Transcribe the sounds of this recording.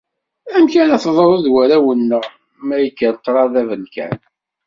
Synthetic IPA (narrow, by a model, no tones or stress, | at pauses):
æmkænæθðˤəɾˤəðwæɾæwənːəʁ | mæjəkːəɾq̪ːɾˤɑðævənkæ̰n